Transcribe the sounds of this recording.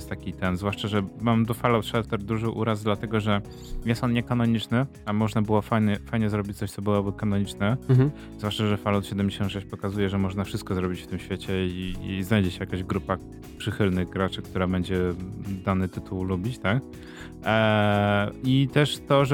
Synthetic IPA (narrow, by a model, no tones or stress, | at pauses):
jɛst̪akʲit̪ɛnzvwaʂt͡ʂaʐɛmamd̪ɔfalawt̪ʂɛlt̪ɛɾd̪uʐɘʔuɾazd̪lat̪ɛɡɔʐɛ | jɛsɔnɲɛkanɔɲit͡ʂnɘ | amɔʐnabɘwɔfajɲɛfajɲɛzɾɔbʲit͡ɕt̪sɔɕt̪sɔbɘwɔbɘkanɔɲit͡ʂnɛ | zvwaʂt͡ʂaʐɛfalɔwt̪ɕɛd̪ɛmd͡ʑeɕɔ̃nt̪ʂɛɕt͡ɕʲpɔkazujɛʐɛmɔʐnafʂɘst̪̚kɔzɾɔbʲit͡ɕft̪ɘmɕfʲet͡ɕɛiːznajd͡ʑet͡ɕjakaʑɡɾupa | pʂɘxɘlnɘɣɡɾat͡ʂɘk̚t̪uɾabɛɲd͡ʑɛd̪anɘt̪ɘt̪ʰuwlubʲit͡ɕt̪ak | it̪ɛʂt̪ɔʐ